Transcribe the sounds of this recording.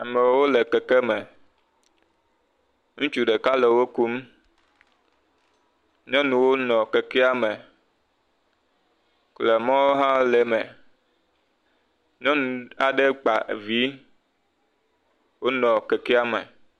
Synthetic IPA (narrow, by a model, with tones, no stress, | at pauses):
a˨me˨wo˦le˨kɛ˨ke˦me˨ | ŋũ˦t͡ʃu˨ɖe˨ka˦le˨wo˦ku˦m | ɲɔ̃˦nũ˨wo˦nɔ̃˨kɛ˨kɛ˦a˦me˨ | kle˨mã˦wo˦ɦã˦le˨me˨ | ɲɔ̃˦nũ˨a˨ɖe˦k͡pa˨ḛ˨vi˦ | wo˦nɔ̃˨kɛ˨kɛ˦a˦me˨